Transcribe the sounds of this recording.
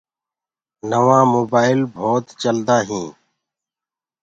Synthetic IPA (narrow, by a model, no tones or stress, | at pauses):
nəʋãːmoːbaːɪlbʱoːt̪t͡ʃəld̪aːɦĩː